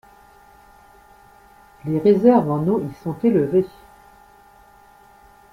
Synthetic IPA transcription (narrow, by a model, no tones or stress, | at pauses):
leʁezɛʁvɑ̃noisɔ̃t̪eləve